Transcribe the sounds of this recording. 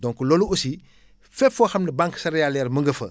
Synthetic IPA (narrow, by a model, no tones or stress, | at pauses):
dɔ̃ŋkuloluusi | fɛpfɔːxɐmnɐbãŋksɐɾjalɛɾmɐŋɡəfɐ̰